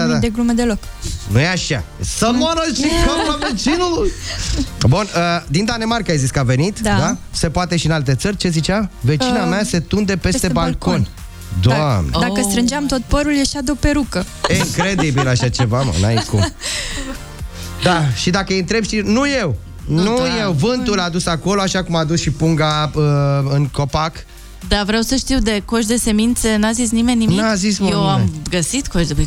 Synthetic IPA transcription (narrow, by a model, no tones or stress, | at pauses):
d̪ad̪ad̪eɡɾumed̪elok | nujeaʃasəmoaɾaʃikanave̞t͡ʃinuluj | bunəd̪ind̪anemarkaajziskəave̞nit̪d̪d̪ase̞poat̪e̞ʃiɨnalt̪e̞t̪sərʲt͡ʃe̞zit͡ʃave̞t͡ʃinamajase̞t̪und̪e̞pe̞sst̪ebalko̞nʲ | d̪oamned̪akəst̪ɾɨnd͡ʒeamt̪o̞t̪̚pəɾuljaʃad̪eopeɾukəiŋkɾe̞d̪ibilaʃat͡ʃe̞vama̰na̰jkum | d̪aʃid̪akəjɨnt̪ɾe̞bʃt̪inuje̞w | nuje̞wvɨnt̪ulad̪usako̞loaʃakumad̪usʃipuŋɡaəɨŋko̞pak | d̪avɾeawsəʃt̪iwd̪e̞koʃ̬d̪e̞se̞mint̪senazis̬nime̞nʲːinazismjewaɡəsit̪koʃd̪e